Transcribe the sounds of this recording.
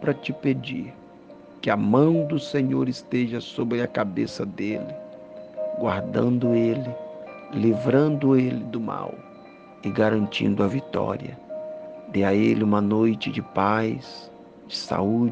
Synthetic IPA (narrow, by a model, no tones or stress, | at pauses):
pɾɐt͡ʃɪped͡ʒiɾ | kɪɐmɐ̃w̃d̪ʊsẽɲoɾɪst̪eʒɐsobɾɪɐkabesɐd̪elɪ | ɡwa̰ɾd̪ɐ̰̃nd̪ʊelɪlivɾɐ̃nd̪ʊelɪd̪ʊma̰w | ɪɡaɾɐ̃nt͡ʃḭ̃nd̪ʊɐvit̪ɔ̰ɾiɐ̰ | d̪eɐelɪũmɐnojt͡ʃɪd͡ʒɪpajs | d͡ʒɪsa̰ud͡ʒ